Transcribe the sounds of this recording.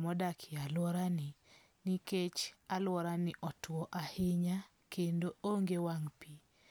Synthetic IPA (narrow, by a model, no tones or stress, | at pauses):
mɔdakʰɪalwɔɾani | niket͡ʃalwɔɾanɪʔɔtwɔʔahɪɲa | kendooŋɡewaŋpi